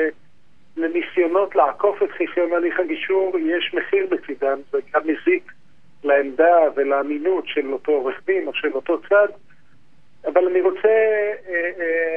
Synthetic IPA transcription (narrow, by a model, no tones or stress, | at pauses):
lemisjo̞no̞tleako̞fetχiχjonaliχaɡiʃuʁjeʃmeχiʁbet͡sid̪anzeɡamezik | laemd̪avelaːminutʃeloto̞ʁeχmimo̞ʃelo̞to̞t͡sad̪ | avalaniʁo̞t͡se